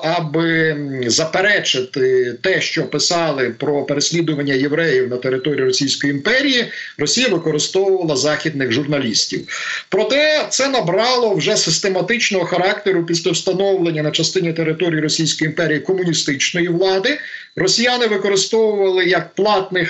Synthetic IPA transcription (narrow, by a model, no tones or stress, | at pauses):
ɐbɪzɐpeɾɛt͡ʃɪt̪ɪt̪ɛʃt͡ʃɔpɪsɑlˠɪpɾɔpeɾesʲlʲid̪ʊʋɐnʲːɐjeʋɾɛjiwnɐt̪eɾɪt̪ɔɾʲijiɾɔsʲijsʲkɔjiimpɛɾʲijirɔsʲijɐʋɪkɔɾɪst̪ɔwʊʋɐlˠɐzɑxʲid̪nɪɣʒʊrnɐlʲisʲtʲiwpɾɔt̪ɛt̪sɛnɐbɾɑlˠɔwʒɛsɪst̪emɐt̪ɪt͡ʃnɔɦɔxɐɾɑkt̪eɾʊpʲis̬ʲlʲɐwst̪ɐnɔwlˠenʲːɐnɐt͡ʃɐst̪ɪnʲit̪e̞ɾɪt̪ɔɾʲijːiɾɔsʲijsʲkɔjiimpɛɾʲijikɔmʊnʲist̪ɪt͡ʃnɔjiʋlˠɑd̪ɪ | rɔsʲijanɪʋɪkɔɾɪst̪ɔwʊʋɐlˠɪjɐk̚plˠɑt̪nɪx